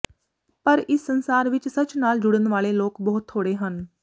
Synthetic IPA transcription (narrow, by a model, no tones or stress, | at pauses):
pəɾɪsːənsaːɾʋɪt͡ʃsət͡ʃnaːld͡ʒʊɽənʋaːleːloːkbəɦʊt̪ʰːoːɽeːɦən